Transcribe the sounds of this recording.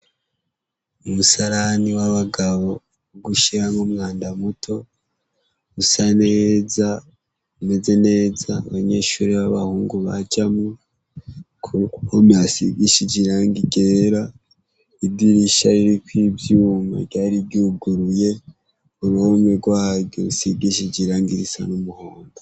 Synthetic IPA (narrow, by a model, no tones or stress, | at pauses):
umusaɾaniwaβaɡaβo̞ | ɡuʃiɾamumŋaːndamutʰo̞ | usane̞za | ume̞ze̞ne̞ːzaːβaɲe̞ːʃuɾiβaβahuːŋɡuβa̰d͡ʒamu | kʰukukomjasḭɡiʃiɟiɾaːŋɡiɟeɾa | idiɾiʃaɾiɾikwiːbjuːma̰bɟaːɾibɟuɡuɾuje̞ | uɾuomweɡwaːβjo̰usiɡiʃiɟiɾaːŋɡiɾisa̰numuhoːndo